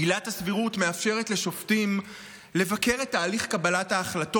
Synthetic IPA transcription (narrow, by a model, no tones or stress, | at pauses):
ilathasviʁutme̞afʃe̞ʁetle̞ʃo̞ftim | le̞vake̞ʁetːaːliχkabalathaːχlato